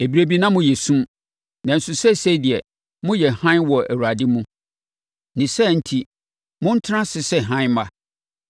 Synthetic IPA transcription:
e˨bi˨ɾe˦bi˦nã˦mʊ̃˦jɛ˨sũ˦m | nã˨n̩˨sʊ˨sɛ˦˨se˦dɪ˨ɛ˨ | mʊ̃˦jɛ˨hã˦n˦wɔ˨ʔæ˨wa˨dɪ˦mũ˦ | nɪ̃˨sɛ˦˨n̩˦tʰi˦ | mʊ̃˦n̩˦tʰɪ˦nã˦sɪ˨sɛ˦˨ɦã˦n˦ma˦

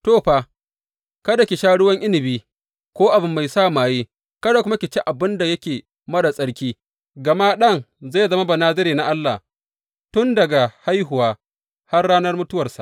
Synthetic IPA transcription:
toː˦˨ɸaː˨ | kɐ˦da˨kʲi˨ʃaː˦ɽʊ˦wɐ˦ŋʔɪ˦lɪ˨biː˦ | kʷoː˦ʔa˨bɪ˦mːa˨jsaː˦˨maː˨jeː˦ | kɐ˦da˨kʷʊ˦ma˦kʲɪ˨t͡ʃɪ˦ʔa˨bɪ˦nda˨jɐ˦kʲeː˨ | mɐ˦da˨sʼɐ˦ɽkʲiː˦ | ɡɐ˨ma˦ɗɐ˦˨ŋza˦˨jzɐ˦ma˦bɐ˨naː˦zɐ˦ɾiː˨na˨ʔa˦lːa̰˨ | tʊ˦ndɐ˨ɡa˨ha˦jɦʊ˨waː˦ | ha˦rɽaː˦nɐ˦rmʊ˦tʊ˦wɐ˨rsa̰˨ʔ

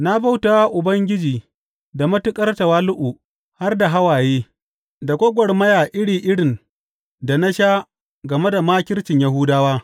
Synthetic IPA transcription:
na˦ba˦wtaː˦wa˦ʔʊ˨bɐ˦ŋɡʲɪ˦d͡ʒiː˨ | da˨mɐ˦tʊ˦kʼɐ˦rta˨waː˦lʊ˦ʔu˨ | ha˦rda˨ɦa˦waː˨jeː˦ | da˨kʷɔ˦ɡʷɔ˨rmɐ˦jaː˨ʔɪ˦ɽiː˨ʔɪ˦ɽɪ˨n | da˨na˦ʃaː˦ | ɡɐ˨me˦da˨maː˦kʲɪ˦rt͡ʃɪ˨ɲja˦ɦʊ˦daː˦waː˦

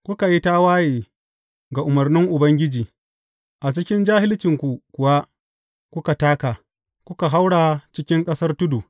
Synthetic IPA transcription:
kʷʊ˦ka˨ji˦ta˦waː˦jeː˨ | ɡa˨ʔʊ˨mɐ˨rnɪ˦ŋʔʊ˨bɐ˦ŋɡʲɪ˦d͡ʒiː˨ | ʔa˨t͡ʃɪ˦kʲɪ˦nd͡ʒaː˦hɪ˦lt͡ʃɪ˨ŋkʷu˨kʷʊ˨wa˦ʔ | kʷʊ˦ka˨taː˦ka˨ | kʷʊ˦ka˨ɦa˦wɽa˨t͡ʃɪ˦kʲɪ˦ŋkʼɐ˦sɐ˦rtʊ˦du˨

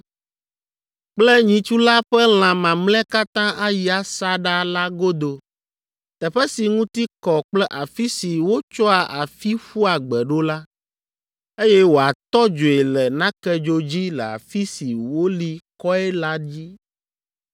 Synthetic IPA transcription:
k͡plɛ˦ɲĩ˨t͡ʃu˦la˦ɸɛ˦l̃ã˨mã˨ml̃ɛ̃˦ka˦t̪ã˦ʔa˦ji˨a˨sa˦ɖa˦la˦ɡo˦d̪o˨ | t̪ɛ˨ɸɛ˦si˨ŋũ˦t̪i˦kɔ˨k͡plɛ˦ʔa˨fi˦si˨wo˦t͡ʃɔ˦a˨ʔa˨fi˦ɸu˦a˨ɡ͡bɛ˨ɖo˦la˦ | e˦jɛ˦wo˨a˨t̪ɔ˦d͡ʒo˨e˨lɛ˨nã˦kɛ˦d͡ʒo˨d͡ʑi˦lɛ˨a̰˨fi˦si˨wo˦li˨˦kɔ˦ɛ˦la˦d͡ʑi˦

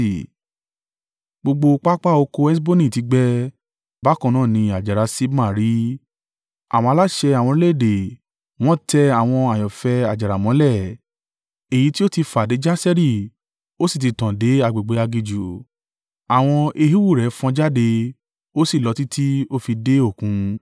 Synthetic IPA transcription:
ɡ͡bo˧ɡ͡bo˧k͡pa˦k͡pa˦˨o˧ko˧ɛ˦s̬bo˦nĩ˦˨ti˨˦ɡ͡bɛ˦ | ba˨˦kɔ̃˧nãː˦˨nĩ˧a˨d͡ʒa˨ɾa˨˧˦si˦bmã˦˨ɾi˨˦ | a̰˨w̃ɔ̃˧a˧la˦ʃɛ˧a˨w̃ɔ̃˧e˦le˦˨de˨ | w̃ɔ̃˦tʰɛ˧a˨w̃ɔ̃˧a˨jɔ˨fɛ˧a˨d͡ʒa˨ɾa˨mɔ̃˨˦lɛ˦˨ | e˨ji˨˦ti˦o˦ti˧fa˨de˨˦d͡ʒa˦sɛ˦ɾi˦˨ | o˦si˦˨t̬i˧tã˨de˨˦a˧ɡ͡be˨ɡ͡be˨˦a˧ɡi˧d͡ʒu˨ | a˨w̃ɔ̃˧ʔe˧ɦi˦wu˦˨ɾɛ˨˦fɔ̃˧d͡ʒa˦de˧ | o˦si˦˨lɔ˨˧ti˦tʰi˦o˦˨fi˧de˦o˦˨kũ˨˧˦

